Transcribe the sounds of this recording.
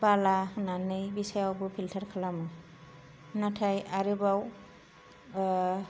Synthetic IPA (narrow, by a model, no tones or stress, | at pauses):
balahɯnanɯjbisajawbɯpʰiltʰaɾkʰalamɯ | natʰajaɾɯbaw